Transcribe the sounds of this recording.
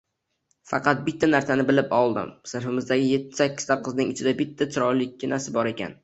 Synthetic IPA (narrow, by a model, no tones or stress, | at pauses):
fɑ̰qʰɑt̪̚bɪt̪ʰːanaɾsanɪbɪlɪpɒlˠd̪ɪ̰msɪɾfɪmɪzd̪aɡʲɪje̞t̪ʰːɪ̥sakʲːɪ̥t̪ʰap̚qʰɨznɪŋɪt͡ʃʰɪd̪abɪt̪ʰːat͡ʃʰɪɾɒɾlɪkʲʰːɪnasɪbɒɾe̞kʲa̰n